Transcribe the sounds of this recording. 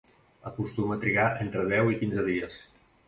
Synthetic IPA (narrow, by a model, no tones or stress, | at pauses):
əkust̪umət̪ɾiɣaʔent̪ɾəðɛwikinzəðiəs